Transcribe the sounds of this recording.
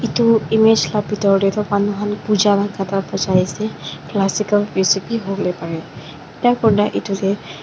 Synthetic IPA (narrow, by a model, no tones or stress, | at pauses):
ituimed͡ʒlabʱitɔɹdɛtɔmanuɦanpud͡ʒabakatapɔzajisɛklasikalɹisipiɦoɹlɛpaɹɛ | takɔdaʔitulɛ